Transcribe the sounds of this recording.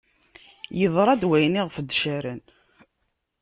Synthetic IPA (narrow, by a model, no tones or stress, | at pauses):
jəðˤɾˤɑd̪wæjniʁfd̪ːʃæɾən